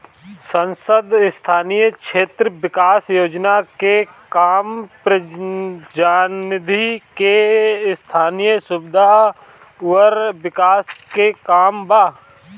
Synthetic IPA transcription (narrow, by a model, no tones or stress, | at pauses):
sə̃nsəd̪st̪ʰaːnijəkʃeːt̪ɾəʋɪkaːsjoːd͡ʒnakekaːmpɾə | d͡ʒaːnɪd̪ʱikest̪ʰaːnijəsʊbɪd̪ʱa | ʊəɾʋɪkaːskekaːmbaː